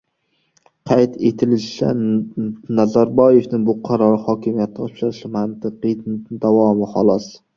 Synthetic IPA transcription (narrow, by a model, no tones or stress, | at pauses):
qʰɑjt̪ʰe̞t̪ʰɪlɪʃʃa̰ | nazaɾbɒjefnɪŋbʊqʰɑɾɒɾɪhɒːkʲʰɪmijat̪ʰːɒpʃaɾɪʃɪmant̪ʰɨqed̪avɒmɪhɒlˠɒs